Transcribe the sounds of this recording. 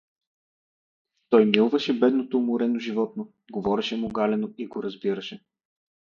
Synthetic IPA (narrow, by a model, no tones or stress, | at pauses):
t̪ɔjmilˠvɐʃɛbɛd̪not̪omʊɾɛnoʒivɔt̪̚no | ɡovɔɾɛʃɛmoɡalɛnoiɡoɾɐzbiɾɐʃɛ